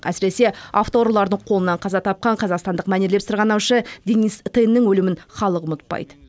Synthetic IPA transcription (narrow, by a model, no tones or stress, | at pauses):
æ̰sɪɾe̞se̞ɑft̪oɾlˠɑɾd̪əɴqʰo̞lˠənːɑɴqʰɑzɑt̪ʰɑp̚qɑɴqʰɑzɑqst̪ɑnd̪əqmæneɾle̞psɪɾʁɑnɑwʃəd̪enist̪enːɪŋwɵlɪmɪnχɑlˠəqmʊt̪̚pɑ̰jd̪ə